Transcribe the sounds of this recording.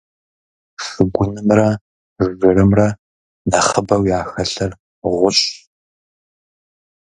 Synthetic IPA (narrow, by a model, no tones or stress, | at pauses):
ʂɨɡʷʊnɨmrɐ | zɨrɨmrɐ | nɐχəbɐwjaːxɐɬɐr | ʁʷʊɕʼ